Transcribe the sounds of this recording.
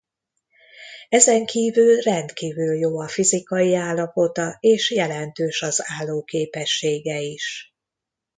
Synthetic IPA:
ɛzɛŋkʰiːvylrɛnt̪kiːvyljoːɒfizikɒjiaːlːɒpo̞t̪ɒeːʃjɛlɛnt̪øːʃɒzaːlːoːkeːpɛʃːeːɡɛiʃ

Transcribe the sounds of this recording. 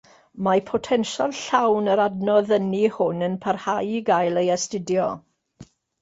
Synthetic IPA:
mapʰɔtʰɛnʃalˠɬawnəɾadnɔðənihʊnənpʰarhajiɡajlˠəjɛstɪdjɔ

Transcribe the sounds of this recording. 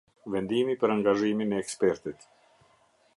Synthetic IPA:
vɛnd̪imipəɾaŋɡaʒiminɛːkspɛɾt̪it̪

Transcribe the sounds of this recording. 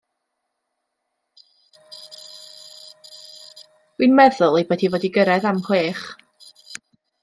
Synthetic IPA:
winmɛðʊlˠejboːdivoːdiɡəɾɛðamhweːχ

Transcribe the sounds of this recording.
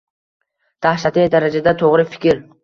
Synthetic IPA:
d̪̥ahʃat̪ʰejd̪aɾad͡ʒad̪at̪ʰoʁɾɪfɪ̥kʲʰɪɾ

